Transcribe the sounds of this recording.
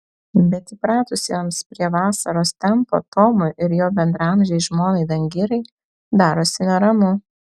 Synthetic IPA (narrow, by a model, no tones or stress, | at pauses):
bʲɛt̪ɪpɾɑːt̪ʊsʲjoːmspʲɾʲiɛʋɑːsɐɾoːst̪ʲɛmpo̰t̪oːmʊʔɪɾjoːbʲɛnd̪ɾɐɐmʲʒʲɛɪʒmoːnɐɪd̪ɐŋʲɡʲɪɾɐɪ | d̪ɑːɾoːsʲɪnʲɛɾɐmʊ